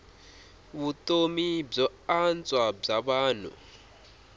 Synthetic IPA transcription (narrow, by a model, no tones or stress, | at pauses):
βutomib͡ʐɔant͡sʼwab͡ʐaβaːn̤ṵ